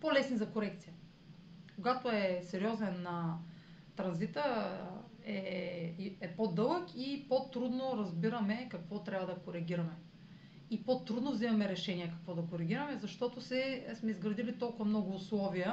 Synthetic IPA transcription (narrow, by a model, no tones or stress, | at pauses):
polɛsnizɐkoɾɛk̚t̪sijə | koɡat̪oɛsɛɾiɔzɛnːɐ | t̪ɾɐnzit̪ə | ɛ | ɛpod̪ɤlˠəkipot̪ɾud̪noɾɐzbiɾɐmɛkɐkvɔt̪ɾʲabɐd̪ɐkoɾɛɡ̟ʲiɾɐmɛ | ipot̪ɾud̪novzimɐmɛɾɛʃɛniɛkɐkvɔd̪ɐkoɾɛɡ̟ʲiɾɐmɛzɐʃt̪ɔt̪osɛsmɛizɡɾɐd̪ilit̪ɔlˠkʊvɐmnɔɡʊːslˠɔvijə